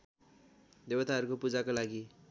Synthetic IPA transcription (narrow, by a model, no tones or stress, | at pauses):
d̪ewʌt̪aɦʌɾukopud͡zakolaɡi